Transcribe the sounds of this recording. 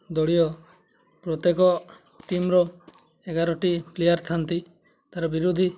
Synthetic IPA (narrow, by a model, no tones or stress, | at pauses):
d̪ɔɽijɔ | pɾɔt̪jekɔ | ʈimɾɔ | eɡaɾɔʈiplejaɾt̪ʰant̪i | t̪aɾɔbiɾud̪ʱi